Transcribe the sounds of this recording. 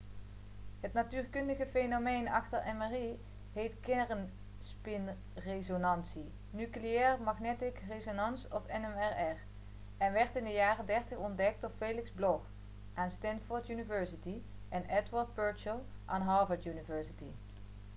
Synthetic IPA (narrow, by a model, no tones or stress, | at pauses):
ɦətnatyːrkɵndəɣəfejnomejnɑ̰χtəɹɛmari | ɦejtkɪrən | spɪn | rezonɑnsi | nykliɛːrmɑχnɛtɪkrezonɑnsɔfɛnɛmɛɹɛɹ | ɛnʋɛɹtɪndəjaːrədɛɹtəχɔndɛk̚tɔɹfejlɪkzblɔx | ʔaːnstɛntfɔːɹtynivɛɹsiti | ʔɛnɛdʋəɹd̚bɜɹt͡ʃəlˠ | ʔaːnɦɑːvəɹtjynivɛɹsiti